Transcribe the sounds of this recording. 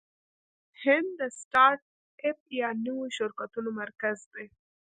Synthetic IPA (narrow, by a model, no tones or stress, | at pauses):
hɪnd̪d̪əsʈɑɾʈ̚ | ep̚jɑnəwoʃʊɾkat̪unomaɾkazd̪e